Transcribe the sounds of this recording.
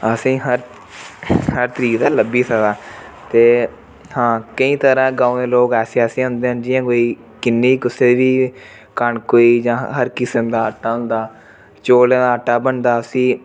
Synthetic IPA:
əsĩːɦəɾ | həɾt̪əɾiːkd̪aːləbiːsədaːt̪eː | hãːkəĩːt̪əɾãːɡãːõd̪eːloːkɛːseːɛːsẽːɦʊ̃nd̪eːɦə̃nd͡ʒiːãːkoːiː | kɪnːiːikʊseːʋiː | kəɳkoːiːd͡ʒãːɦəɾkɪsəmd̪aːəʈːaːɦʊ̃nd̪aː | t͡ʃoːlãːd̪aːəʈːaːbəɳd̪aːəsĩː

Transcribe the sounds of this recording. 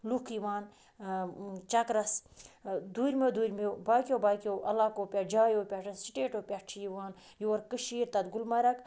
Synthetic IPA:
lukʰiʋaːn | t͡ʃɐkɾɐs | d̪uɾʲmed̪uɾʲmewbaːkʲjobaːkʲoʔɐlakoːpʲad͡ʒaːjoːpʲaʈɐnsi̥ʈeːʈoːpʲat͡ʃʰijiʋaːn | juɐɾkɨʃiːɾt̪ɐd̪ɡulmɐɾɐk

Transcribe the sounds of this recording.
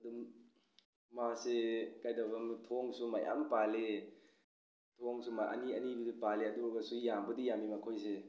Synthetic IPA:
ɐdum | asekajdabɐmtʰoŋsumaja̰mpale | tʰoŋsumaʔɐ̰niɐnibidipaleɐduɾbɐsujambɐdijamimakʰojs̬e

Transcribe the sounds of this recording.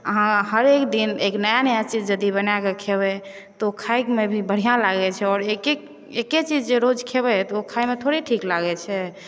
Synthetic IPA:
əɦãhəɾekd̪ineknəjanəjat͡ʃid͡ʒd͡ʒəd̪ibənakekʰeβɛ | t̪ɔokʰajkmebʱibəɽ̤ijãlaɡɛt͡ʃʰɛɔɾekek | eket͡ʃid͡ʒd͡ʒeɾod͡ʒkʰebɛt̪ɔokʰajmet̪ʰoɾiʈʰiklaɡɛt͡ʃʰɛ

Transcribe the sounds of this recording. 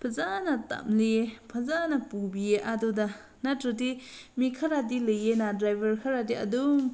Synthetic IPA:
pʰazanata̰mlipʰazanapubieʔadɔda | natɾɯtimikʰaɾadilɯjenadɾajbʱɐɾkʰaɾadia̰dum

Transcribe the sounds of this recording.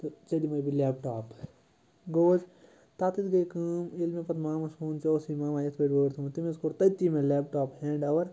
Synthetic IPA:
t̪ot͡ʃɐd̪imɐjbʱilɛːpʈaːp | ɡoːd͡ʒ | t̪aːt̪it̪ɡɐjkɨːmelmẽpɐt̪maːmɐsʰuːnt͡ʃoːsimaːmaːjɐt̪ʰbɐʈboːɾt̪ʰumt̪imeskoːɾt̪ɐt̪imẽlɛːp̚ʈaːphɛ̃ːɳɖɐʋɐɾ

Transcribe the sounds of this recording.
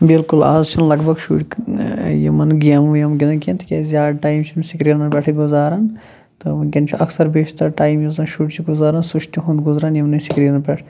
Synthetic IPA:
bilkula̰ːzt͡ʃʰɐnlɐɡbʱɐɡʃṵːʈ | jḭmɐnɡijɐmujɐmɡʲid̪ɐkʲent̪ʰi̥kʲeːzjaːd̪ʈaːjmt͡ʃʰimsikɾiɾnɐpʲeʈʰiɡuzaːɾɐn | t̪ɨɡʲɐnt͡ʃʰiʔɐksɐɾbiːʃt̪ɐɾʈaːjmjuzɾɐːnʃuːʈt͡ʃʰiɡuzaːɾɐnsuʃt̪iɦund̪ɡuzɾaːnjɐmnɐsikɾiːɾnɐpeʈʰ

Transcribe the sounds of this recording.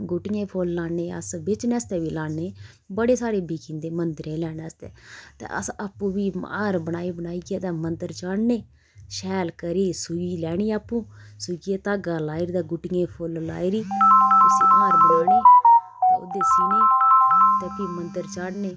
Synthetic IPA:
ɡʊʈɪjẽːpʰoːlːaːneːə̰sbɪt͡ʃneːst̪ɛːʋiːlaːneː | bəɽeːsaːɾeːbiːkĩːnd̪eːmənd̪ɾẽːlɛːnːst̪ɛ̰ːt̪ḛːʔə̰sapːũːbiːaːɾbənaːiːbənaːiːɡeːt̪aːmənt̪əɾt͡ʃaɽneː | ʃɛːlkəɾiːsuiːlɛːɽ̃iːaːpːũː | sʊkːeːt̪aːɡaːlaːiɾd̪aːɡʊʈɪjẽːpʰoːlla̰ːiɾiːʊsĩːʔaːɾbloːneː | o̰ːd̪eːsʊniːt̪eːpiːmənt̪əɾt͡ʃəɽneː

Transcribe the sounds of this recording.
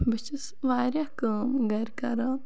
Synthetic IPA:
bit͡ʃis | ʋaːɾjakaːmɡɐɾkɐɾa

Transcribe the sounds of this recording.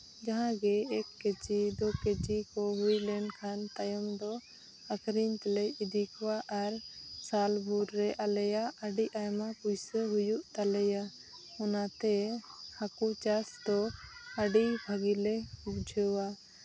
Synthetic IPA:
d͡ʒaɦãɡɛɛkːed͡ʒid̪ɔket͡ʃikɔɦujlɛɳkʰant̪ajəmd̪ɔ | akɾiɲt̪ɛlɛjid̪ʱikɔwaʔaɾsalbʱuɾːɛʔalɛjaaɖiʔajmapujsəɦujuʔt̪alɛja | ɔnat̪ɛhakut͡ʃasd̪ɔaɖibʱaɡilɛubd͡ʒʱəwa

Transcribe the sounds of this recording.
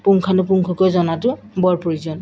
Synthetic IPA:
puŋkʰanʊp̬uŋkʰɔkɔjzɔnatʊbɔɹpoɹizɔn

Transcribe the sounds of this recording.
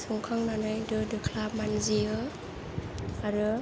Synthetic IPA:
sɔŋkʰaŋnanɯjdɯdɯkʰlamanziɯ | aɾɯ

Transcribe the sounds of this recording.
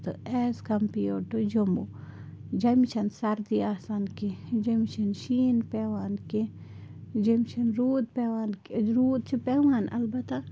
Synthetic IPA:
t̪ɨeːskɐmpijoːʈud͡ʒomṵ | d͡ʒɐmit͡ʃʰɐnsɐɾd̪iaːsaːnkid͡ʒɐmit͡ʃʰɐnʃiːnpeːʋaːnke | d͡ʒɐmt͡ʃʰɐnɾuːd̪̚peʋaːnkɾuːd̪̚t͡ʃʰipeːʋaːnɐ̰lbɐt̪a

